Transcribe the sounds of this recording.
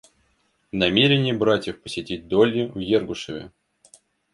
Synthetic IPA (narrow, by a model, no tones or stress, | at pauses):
nɐmʲeɾʲɪnʲɪjəbɾatʲjɪfpə̥sʲɪtʲit̚ʲd̪olʲjɪujerɡʊʂəvʲɪ̰